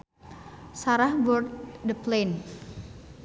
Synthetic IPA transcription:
saɾahbɔrt̪̚dəplen

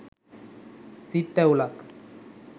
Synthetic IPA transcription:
t͡sit̪ːɛwlak

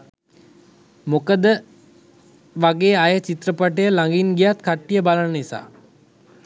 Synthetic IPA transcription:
mokəd̪ə | ʋaɡeːajət͡ʃit̪ɾəpaʈəjəlaŋɡinɡijat̪kaʈːijəbalənənisa̰ː

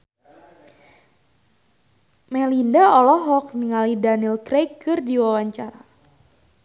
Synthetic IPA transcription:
mɛlindaɔlɔɦɔk̚niŋalidanilkrejkːɨrdiwawaɲt͡ʃaɾa

